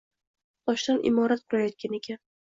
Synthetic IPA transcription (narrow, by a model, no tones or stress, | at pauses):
t̪ʰɒʃd̪anʔɪ̰mɒɾat̪̚qʰʊɾajɒt̪̚kʲane̞kʲʰan